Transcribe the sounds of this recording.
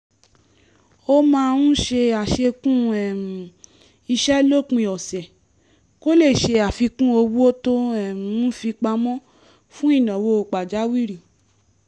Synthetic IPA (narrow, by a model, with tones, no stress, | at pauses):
o˦mãː˧ũ˦ʃe˧a˨ʃe˧kũ˦ɛ˨m˨ | i˧ʃɛ˦lo˦˨kũ˧˦i˧˨ɔ˨sɛ˨ | ko˦le˦˨ʃe˧a˨fi˧kũ˦o˧wu˦o˦to˦ɛ̃˨˦fi˧k͡pa˧mɔ̃˦ | fũ˦i˦˨nɔ̃˨wo˧o˧k͡pa˨d͡ʒa˨˦wi˦ɾi˨